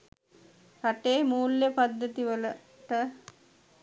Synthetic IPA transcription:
ɾaʈeːmuːljəpad̪ːət̪iʋələ | ʈə

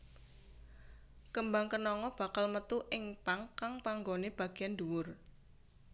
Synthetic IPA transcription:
kəmbaŋkənɔŋɔb̥a̤kalmət̪uʔɪŋpaŋkaŋpaŋɡoneb̥a̤ɡ̥ianduwʊr

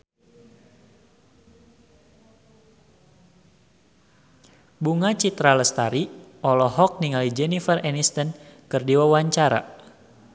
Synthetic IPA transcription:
buŋat͡ʃit̪ɾaləst̪aɾiɔlɔɦɔk̚niŋalid͡ʒɛnifərɛnist̪ənkərdiwawaɲt͡ʃaɾa̰

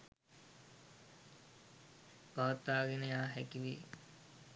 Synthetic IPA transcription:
paʋat̪ːaːɡenəjaːɦekiʋḭ

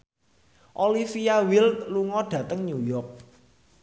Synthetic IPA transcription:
ʔolifiawilt̪luŋɔɖ̥ä̤t̪əŋɲujɔk̚

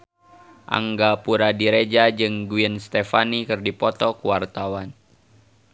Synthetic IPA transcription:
ʔa̰ŋɡapuɾadiɾed͡ʒad͡ʒɨŋɡuənst̪efanikɨrdipɔt̪ɔkuwart̪awan

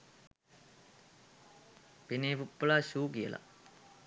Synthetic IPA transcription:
peneːpupːəlaːɕuːkiə̰la̰

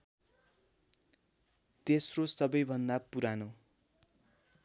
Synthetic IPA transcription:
t̪esrosʌbʌjbʱʌnd̪apuɾano

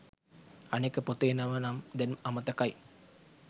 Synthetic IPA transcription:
anekəpot̪eːnɐʋənamd̪ɛnɐmət̪əkaj

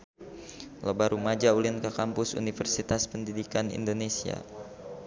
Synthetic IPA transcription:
lobaɾumad͡ʒaulinkakampʊsṵnifərsit̪aspəndidikanḭndonesia̰

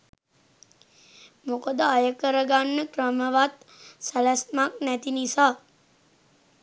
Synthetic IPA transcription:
mokəd̪əajəkəɾəɡanːəkrəməʋat̪ | sælæsmak̚næt̪inisaː

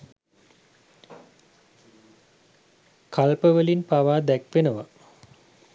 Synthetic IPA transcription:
kʰalpəʋəlinpaʋaːd̪ækʋenəʋa

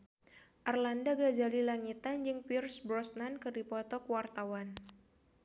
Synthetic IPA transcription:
ʔarlandaɡad͡ʒalilaŋit̪and͡ʒɨŋpirsbɾɔsnankɨdipɔt̪ɔkwart̪awan

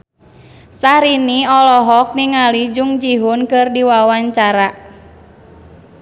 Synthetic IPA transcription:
sahɾiniɔlɔɦɔk̚niŋalid͡ʒuŋd͡ʒiɦunkɨrdiwawaɲt͡ʃaɾa

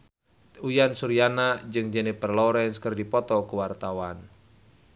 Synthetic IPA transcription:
ujansuɾianad͡ʒɨŋd͡ʒɛnɛpərlɔɾɛnskɨrdipɔt̪ɔkuwart̪awan

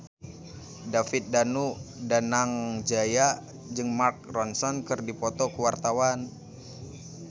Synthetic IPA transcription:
dafɪt̪̚danudanaŋd͡ʒaja | d͡ʒɨŋmark̚rɔnsɔnkɨrdipɔt̪ɔkəwart̪awan

